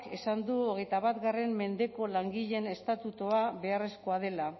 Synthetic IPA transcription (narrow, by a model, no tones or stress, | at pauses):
ke̞sand̪uoɣ̞e̞jt̪aβat̪ɡare̞mme̞nd̪e̞ko̞laŋɡiʎe̞ne̞st̪at̪ut̪oaβe̞are̞sko̞aðe̞la